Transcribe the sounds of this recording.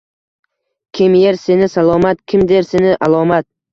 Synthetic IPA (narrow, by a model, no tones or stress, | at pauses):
kʲʰɪmjeɾse̞nɪsalˠɒmat̪kʲʰɪmd̪eɾsenɪʔalˠɒmat̪̚